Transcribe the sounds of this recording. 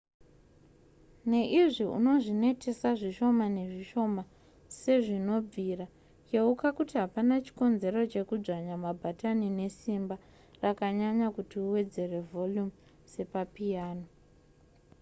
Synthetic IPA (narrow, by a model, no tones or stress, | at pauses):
ne̞ʔiʐiṵno̞ʐine̞tʰe̞saʐiʃo̞mane̞ʐiʃo̞ma | se̞ʐino̞b͡vʱira | jeukakutiɦapanat͡ʃi̥ko̞nze̞ɾo̞t͡ʃe̞kud͡ʐaɲamabʱatanine̞simba | rakaɲaɲakutiuwe̞d͡ze̞re̞vo̞ljum | se̞papijaːno